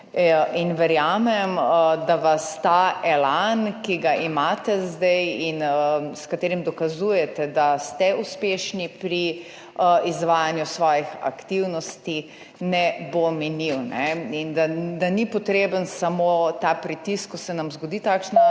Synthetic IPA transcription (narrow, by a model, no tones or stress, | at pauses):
inʋɛɾjaːmɛmd̪aʋast̪aɛlankiɡaʔimaːt̪ɛzd̪ɛjinəskat̪eːɾimd̪ɔkazujɛt̪ɛd̪ast̪ɛuspeːʃnipɾi | izʋaːjanjusʋɔːjixa̰kt̪iwnɔst̪i | nɛbomɛniwnɛind̪ad̪anipɔt̪ɾeːbənsamot̪apɾit̪iskːɔsɛnamzɡod̪iːt̪aːkʃnɔ